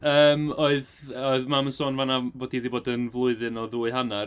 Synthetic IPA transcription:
əːmoɨðoɨðmamənsoːnvanaboːdiðiboːdənvlˠʊɨðɨnɔðuːɨɦana

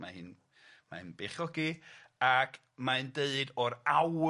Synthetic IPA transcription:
mahɨn | ma̰ɨnbeχɔɡiakʰ | maɨndeɨdɔɾaw

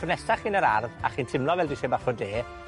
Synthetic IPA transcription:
ʊnɛstaχiːnəɾa̰rða̰χiːntʰɪmlˠɔvɛldisebaχɔdeː

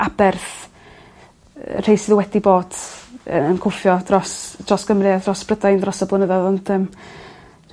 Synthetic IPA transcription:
abɛrθ | r̥ejsɪðəwɛdiboːd̥̰ | ənkʰʊfjɔdrɔsd̥rɔsɡ̥əmrɪadrɔsb̥rədajndrɔsəblˠʊnəðaðɔnd̥əːm

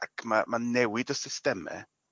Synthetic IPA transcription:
akʰmamanɛwɪdəsɪstɛmɛ̰

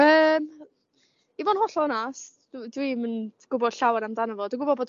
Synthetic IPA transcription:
əːm | ivɔnhɔɬɔnas | ddwimənɡ̥ʊbɔd̥ɬawanamdanəvɔduɡʊbɔdboːd

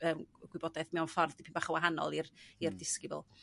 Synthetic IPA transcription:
əːmɡ̥wɨbɔdɛθmɪɔnfɔrðipʰimbaχəwaɦanɔ̰lˠirirdɪskɪbʊ̰lˠ

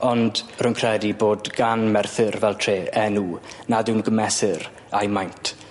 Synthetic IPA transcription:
ɔndrʊŋkʰrɛdiboːdɡanmɛrθɨrvɛlˠtʰreːɛnuːnadɪwnɡəmɛsɪr | ajmajntʰ

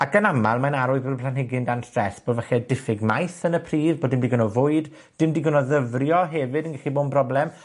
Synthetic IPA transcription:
akənamalˠmanaɾʊɨðbodəpʰlanhɪɡɪndanstrɛsb̥oːdvɛχɛdɪfɪɡmajθənəpʰriːðboːdɪmdiɡʊnɔvʊɨd | d̥ɪmdiːɡʊnɔðəvrjɔɦɛvɨdənɡaxiboːdmbrɔblɛm

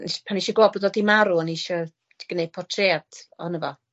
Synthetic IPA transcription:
niʃpʰaniʃɔɡlɔːbədɔdimaɾuəniʃɔ | d̥i̥ɡ̥ənejd̚pʰɔtʰread̥ɔ̰nəvɔ

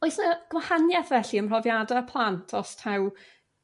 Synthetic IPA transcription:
ɔɨsnəɡ̥əmhanjaθvɛɬiənmr̥ɔvjadapʰlˠantʰɔstʰaw

